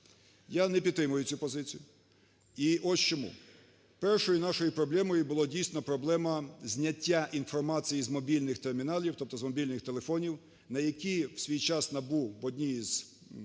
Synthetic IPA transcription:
janɛp̬ʲid̪̚t̪ːɾɪmʊjʊt͡sʲupɔzɪt͡sʲijʊ | iʔɔst͡ʃɔmṵ | pɛrʃɔjʊnɑʃɔjʊpɾɔblˠɛmɔjʊbʊlˠɔdʲijsʲnɔpɾɔblˠɛmɐzʲnʲɐtʲːaʔinfɔrmɑt͡sʲijizmɔbʲilʲnɪxt̪ermʲinɑlʲiwt̪ɔp̚t̪ɔzmɔbʲilʲnɪxt̪elˠefɔnʲiw | nɐjɐkʲiwsʲʋʲijt͡ʃɑsnɐbuwɔdʲnʲiiz̥

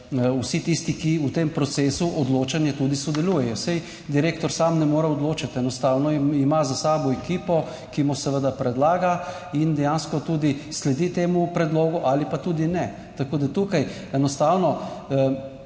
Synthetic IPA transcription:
usit̪ist̪ikiut̪empɾɔt̪seːsuʔɔd̪loːt͡ʃanjɛt̪ud̪isɔd̪ɛluːjɛjɔsɛj | d̪iɾeːkt̪ɔɾsamnɛmoːɾaɔd̪loːt͡ʃat̪ɛnɔst̪awnɔimazasaːbɔɛkiːpɔ | kimɔsɛʋəd̪apɾɛd̪laːɡa | ind̪ɛjanskɔt̪uːd̪islɛd̪it̪eːmupɾɛd̪loːɡuʔalipat̪ud̪inɛ | t̪akoːd̪at̪ukaj | ɛnɔst̪awnɔ

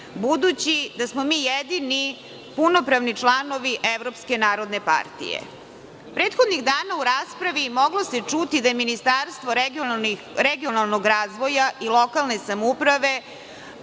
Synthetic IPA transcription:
bud̪ut͡ɕid̪asmomiːjed̪ini | puno̞pɾaʋnit͡ʂlˠano̞ʋiʔeʋɾopske̞naːɾo̞d̪ne̞pa̰ɾt̪ḭjḛ | pɾeːt̪xo̞d̪niɣd̪aːnauɾaːspɾaʋimo̞ɡlo̞set͡ʂut̪id̪ajeminist̪aɾst̪ʋoɾ | ɾeɡionalˠnoɡɾaːzʋo̞jaʔilˠo̞kalˠne̞samupɾaʋe̞

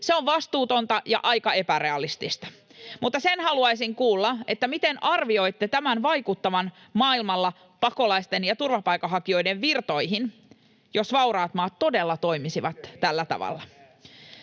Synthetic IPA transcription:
seoʋʋɑst̪uːt̪o̞nt̪ɑjɑ̰ʔɑjkɑe̞pæɾe̞ɑlist̪ist̪ɑ̥mut̪ːɑsenhɑluɑjsiŋkuːlːɑʔet̪ːæmit̪enɑrʋio̞it̪ːet̪æmænʋɑikut̪ːɑʋɑn | mɑːilmɑlːɑ | pɑko̞lɑist̪enjɑt̪urʋɑpɑjkːɑɦɑkio̞jdeʋʋirt̪o̞jɦin | jo̞sʋɑuɾɑːt̪mɑːt̪to̞delːɑt̪oimisiʋɑt̪t̪ælːæt̪ɑ̰ʋɑ̰lːɑ

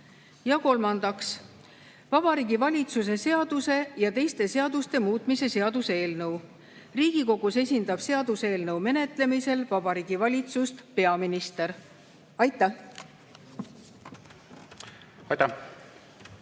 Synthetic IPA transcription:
jɑko̞lmɑnd̪̥ɑks | vɑb̥ɑɾiːɡ̥ivɑlʲit̪sus̬e̞se̞ɑd̪̥use̞jɑt̪e̞jst̪e̞se̞ɑd̪̥ust̪e̞muːt̪ˑmise̞se̞ɑd̪use̞ːlnɤw | riːɡ̥iko̞ɡ̥use̞sʲind̪̥ɑb̥se̞ɑd̪̥use̞ːlnɤwme̞ne̞t̪ˑle̞mise̞lvɑbɑɾiːɡ̥ivɑlʲit̪sust̪pe̞ɑminist̪eɾ | ɑjt̪ːˑæh | ɑjt̪æ

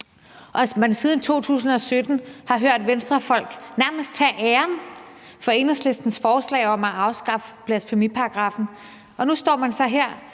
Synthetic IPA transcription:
ʔɒ̽mænsiːðˠn̩t͡sʰo̝̰ːt͡sʰṵːsn̩ɒ̽sød̥n̩hɑ̈ɦøɐ̰d̥ʋensd̥ʁɐfɒ̽l̰ɡ̥næɐməsd̥̚t͡sʰɛʔeːɐn | fɒ̽e̝nɐsle̝sd̥n̩sfɒːslɛ̰ːɪɒ̽mæɑ̈ʊsɡ̥ɑ̈fb̥ʰlæ̥fomipʰɑ̈ɑɡ̥ʁɑ̈ːfn̩ | ʔɒ̽nusd̥ɒ̰ːmænsɑ̈ɪɦeɐ̰

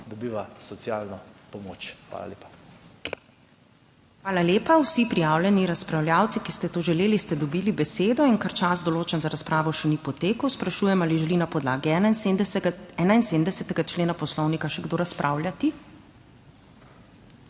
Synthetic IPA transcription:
d̪ɔbiːʋasɔsjaːlnɔpɔmoːt͡ʃxʋa̰ːla̰lʲḛːpḁ | xʋaːlaleːpawsipɾijaːwlʲjɛniɾaspɾawljaːwt̪sikist̪ɛt̪oːʒɛleːlist̪ɛd̪ɔbiːlibɛseːd̪ɔinkaɾt͡ʃazd̪ɔloːt͡ʃɛnzaɾaspɾʔaːʋɔʃɛnipɔt̪eːkəwspɾaʃuːjɛmaliʒɛlinapɔd̪la̰ːɡi | ɛːnainsed̪md̪ɛsɛt̪ɛɡat͡ʃleːnapɔslɔwnikaʃɛɡd̪oːɾaspɾʔaːwlʲjat̪i

